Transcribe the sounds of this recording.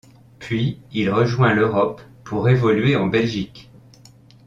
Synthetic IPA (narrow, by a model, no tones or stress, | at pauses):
pɥiilʁəʒwɛ̃løʁɔpː | uʁevɔlɥeɑ̃bɛlʒik